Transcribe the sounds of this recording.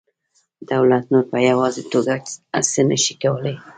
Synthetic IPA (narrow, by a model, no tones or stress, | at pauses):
d̪̥awlat̪̚noɾpəjawɑzet̪oɡakasənəʃi̥kawəlaj